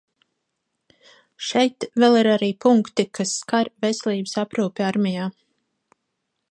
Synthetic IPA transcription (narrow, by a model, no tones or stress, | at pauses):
ʃɛjt̪vɛlˠiɾaɾiːpuŋkt̪ikʰasːkaɾvesʲɛlˠiːbəsapɾuːpʲiaɾmʲijaː